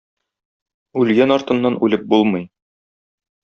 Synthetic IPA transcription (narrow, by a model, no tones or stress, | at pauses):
ʉlɡænɒɾt̪ɤ̆nːɑnʉlɘp̚bulˠmɤj